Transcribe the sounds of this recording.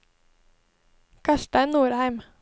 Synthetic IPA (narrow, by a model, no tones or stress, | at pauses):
kʰɑʃʈæɪnnuːɾhæɪm